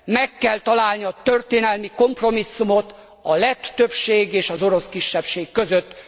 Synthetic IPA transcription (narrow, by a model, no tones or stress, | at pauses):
mɛkːɛlt̪ɒlaːlniɒt̪ørt̪eːnɛlmiko̞mpro̞misːumo̞t̪ | ɒlɛt̪ːøpʃeːɡeːʃɒzo̞ɾo̞skiʃːɛpʃeːkːø̞zøt̪ː